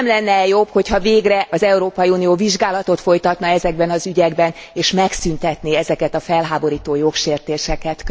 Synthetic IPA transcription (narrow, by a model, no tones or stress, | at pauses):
mlɛnːɛjo̞bho̞chɒveːɡrɛʔɒzɛuɾoːpɒjiuːnijoːviʒɡaːlɒt̪o̞t̪fo̞jt̪ɒt̪nɒɛzɛɡ̚bɛnɒzyɟɛɡbɛneːʃmɛksynt̪ɛt̪niɛzɛkɛt̪ɒfɛlɦaːbo̞ɾiːt̪oːjo̞kʃeːrt̪eːʃɛkɛt̪k